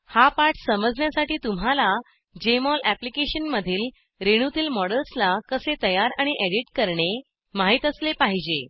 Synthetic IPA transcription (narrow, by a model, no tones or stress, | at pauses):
hapaʈsəməd͡zɳjasaʈiːt̪um̤ala | d͡ʑemɔlæplikeɕənməd̪ʱiːl | ɾeɽ̃ut̪iːlmɔɽəlslakəset̪əjaɾaɽ̃iʔeɽiʈkəɾɳe | maɦit̪əslepaɦid͡ʑe